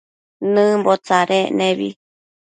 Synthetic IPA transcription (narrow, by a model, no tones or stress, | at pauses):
nɨ̃mbot͡saɾeʔnẽβḭ